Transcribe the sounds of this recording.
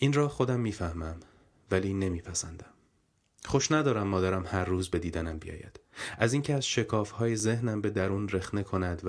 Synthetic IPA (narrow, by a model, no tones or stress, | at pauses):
ʔinrɒːxo̞d̪æmːiːfæhmæm | væliːne̞miːpʰæsænd̪æm | χoʃnæd̪ɒːɾæmːɒːd̪æɾæmhæɾːuːzbe̞d̪iːd̪ænæmbijɒ̰ːjæ̰d̪̥ʔæziŋcʰeæzʃe̞kʰɒːfhɒːjeze̞hnæmbe̞d̪æɾuːnre̞xne̞kʰo̞næd̪v